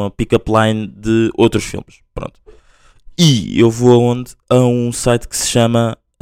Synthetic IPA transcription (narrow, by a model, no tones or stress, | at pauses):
ɐpikɐplˠajnd̪ɨowt̪ɾuʃfḭlˠmʃpɾõ̰nt̪u | iewvoɐõnd̪ɐũsajt̪kɨ̥sɨ̥ʃɐmɐ